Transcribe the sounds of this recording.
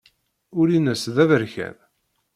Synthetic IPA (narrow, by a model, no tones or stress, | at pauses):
ʊɾinəsðævəɾçæ̰ð